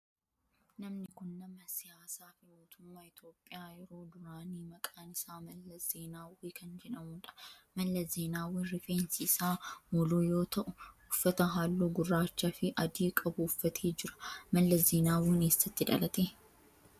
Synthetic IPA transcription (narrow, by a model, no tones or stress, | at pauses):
nɐmnɪkʊnːɐmɐsɪjaːsaːfɪmoːt̪ʊmːaːɪt̪jo̞ːpʼːɪjaːjɛɾo̞ːd̪ʊɾaːniːmɐkʼaːnɪsaːmɐlːɐzeːnaːwiːkʰɐnd͡ʒɛᶑɐmʊːᶑɐ̥mɐlːɐzeːnaːwiːnrɪfeːnsɪːsaːmɔloːjo̞ːt̪ɐʔʊʊfːɐt̪ɐɦaːlːuːɡʊrːaːt͡ʃːafɪʔɐd̪iːkʼɐbʊʊfːɐt̪ʰeːd͡ʒɪɾɐ̥mɐlːɐzeːnaːwiːneːsːɐt̪ːɪᶑ̪ɐ̰lɐt̪eː